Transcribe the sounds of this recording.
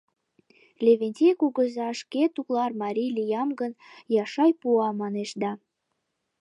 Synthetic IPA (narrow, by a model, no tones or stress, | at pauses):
lʲeβenʲt̪ʲekuɣəzɑʃket̪uklɑrmɑɾʲilijɑmɡənjɑʃɑjpuɑmɑneʃd̪ɑ